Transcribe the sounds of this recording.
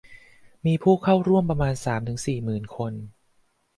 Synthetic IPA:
miː˧pʰuː˥˩kʰa˥˩wɾu˥˩əmpɾa˧maː˧nsaː˩˦mt̪ʰɯ˩˦ŋsiː˨˩mɯː˨˩nkʰo˧n

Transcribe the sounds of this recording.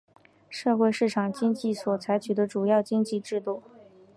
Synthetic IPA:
ʂɤ˥˧xwe˥˧ɪʂɻ̩˥˩ʈ͡ʂʰɑ˨˩ŋt͡ɕi˥ŋt͡ɕi˥˩swɔ˨˩t͡sʰa˧˥ɪt͡ɕʰy˨˩d̪ə˦ʈ͡ʂu˨˩jɑ˥˩ʊt͡ɕi˥ŋt͡ɕi˥˧ʈ͡ʂɻ̩˥˧t̪u˥˩

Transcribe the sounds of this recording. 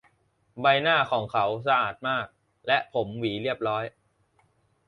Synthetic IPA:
ba˧jnaː˥˩kʰɔː˩˦ŋkʰa˩˦ws̬a˧ʔaː˨˩t̪̚maː˥˩k̚ | lɛ˦˥ʔpʰo˩˦mwiː˩˦ɾi˥˩əp̚ɾɔː˦˥j

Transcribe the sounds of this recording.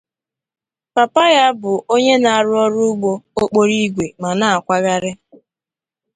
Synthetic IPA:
pa˨pa˦ja˦bʊ˨ʔo˦ɲe˦na˨a˨ɾʊ˦ɔ˦ɾʊ˦ʊ˦ɡ͡bo˦o˦k͡po˦ɾi˦ɡʷe˨ma˨na˨a˨kʷa˦ɣa˦ɾɪ˦

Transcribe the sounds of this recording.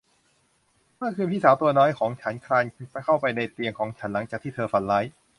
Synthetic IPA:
mɯ˥˩kʰɯː˧mpʰiː˥˩saː˩˦wt̪u˧ɐnɔː˦˥jkʰɔː˩˦ŋt͡ɕʰa˦˥nkʰɾaː˧nt͡ɕa˧˩kʰa˥˩wpa˧jna˧˩jt̪i˧əŋkʰɔː˩˦ŋt͡ɕʰa˦nla˩˦ŋt͡ɕaː˨˩k̚t̪ʰiː˥˩t̪ʰɤː˧fa˧nlaː˦˥j

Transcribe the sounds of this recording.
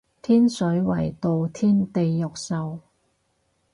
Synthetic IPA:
t̪ʰiː˥nsɵ˨˥ɥwɐ̰˨˩jt̪o˨wt̪ʰiː˥nt̪e˨˧jːʊ˨k̚sɐ˨w

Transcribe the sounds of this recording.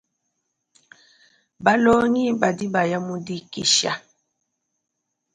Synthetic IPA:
ba˦lɔ˦ŋi˦ba˨di˦ba˨ja˦mu˦di˦ki˨ʃa̰˦˨

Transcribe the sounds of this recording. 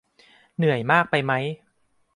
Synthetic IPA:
nɯ˨˩˦əjmaː˥˩k̚pa˧jma˦˥j

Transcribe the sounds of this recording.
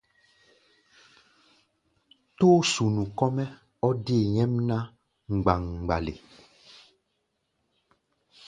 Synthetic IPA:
to˦su˨nũ˨kɔ˦mɛ˦ | ɔ˦de˦˨ɲɛ̃˦mnã˦ | ŋ̩˨ɡ͡ba˨ŋ˨ɡ͡ba˨lḛ˨

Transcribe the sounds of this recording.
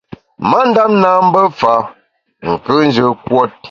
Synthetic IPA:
ma˦n̩˦da˦m̚na˦m̩˦bə˦fa˨˦ | ŋ̩˨kə˦n˦d͡ʒə˦kwɔ˦t̚

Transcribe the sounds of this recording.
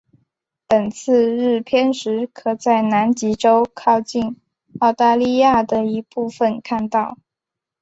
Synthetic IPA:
pə˨˩nt͡sʰɹ̩˥˧ɻ̩˥˩pʰjɛ˥nʂɻ̩˧˥kʰɤ˨˩t͡sa˥˩ɪna˧˥nt͡ɕi˧˥ʈ͡ʂo˥ʊkʰɑ˥˧ʊt͡ɕi˥˩n | ɑ˥˧ʊt̪a˥˧li˥˧ja˥˩d̪ə˩i˧˥pu˥˩fə˨nkʰa˥˧nt̪ɑ˥˩ʊ

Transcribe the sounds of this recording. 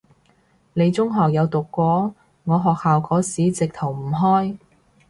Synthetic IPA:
ne˨˧jt͡sʊ˥ŋɦɔː˨k̚jɐ˨˧wt̪ʊ˨kːʷɔː˨˥ | ŋɔː˨˧ɦɔː˨k̚haː˨wkʰɔː˨˥siː˨˥t͡sɪ˨k̚t̪ʰo˨˩wm̩˨˩ɦɔː˥j

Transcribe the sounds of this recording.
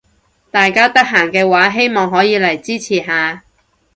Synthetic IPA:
t̪aː˨jkaː˥t̪ɐ˥k̚ɦaː˨˩ŋkɛː˧waː˨˥ɦe˥jmɔː˨˩ŋɦɔː˨˥jiː˨˧lɐ˨˩jt͡siː˥t͡sʰiː˨˩ɦaː˨˧

